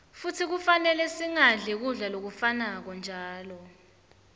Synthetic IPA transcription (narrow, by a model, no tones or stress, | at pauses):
futʰik̬ufanɛlɛsiŋaɮʱɛk̬uɮalok̬ufanak̬ɔnd͡ʒʱaːlɔ